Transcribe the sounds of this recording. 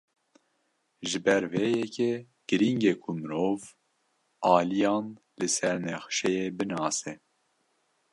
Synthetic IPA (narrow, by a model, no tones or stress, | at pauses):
ʒɨbɛɾvejɛkʰe | ɡ̥ɨɾiŋɡekʰumɨɾoːv | ɑːlijɑːn | lɨsɛɾnɛxʃɛjeːbɨnɑːsɛ